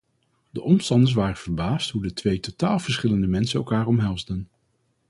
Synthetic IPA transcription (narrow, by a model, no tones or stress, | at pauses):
dəʔɔmstɑndəɹs̬ʋaːrəv̥əɹbaːstɦudətʋejtotaːlˠv̥əɹsχɪləndəmɛnsənɛ̰lˠkaːɹɔmɦɛlˠzdən